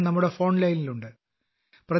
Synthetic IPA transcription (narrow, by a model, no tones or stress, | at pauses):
nɐmːuɽe̞fo̞ːɳlɐjniluɳɖɨ | prɐ